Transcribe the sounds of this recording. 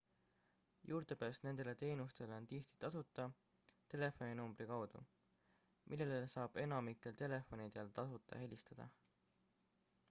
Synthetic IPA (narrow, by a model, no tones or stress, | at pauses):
juːɾt̪e̞pæːst̪ne̞nd̪̥e̞le̞t̪e̞ːnust̪e̞leo̞nt̪iht̪i̥t̪ɑsut̪ːˑɑ | t̪e̞le̞fo̞ninumb̥rikɑwd̪̥ṵ | mʔilːelsɑːb̥e̞nɑmikːˑe̞lt̪e̞le̞fo̞nid̪̥elt̪ɑsut̪ːˑɑ̰he̞lʲist̪ɑd̪̥ɑ̰